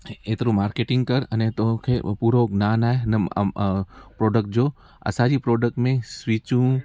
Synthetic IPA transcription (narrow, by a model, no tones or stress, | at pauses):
eːt̪ʰɾũmaːɾkeːʈɪ̃ŋɡkəɾənet̪okʰepuːɾoɡnaːnaːenḛ | pɾoːɖək̚ʈ̚d͡ʒoː | ɐ̰saːɾipɾoːɖək̚ʈmẽsʋit͡ʃũː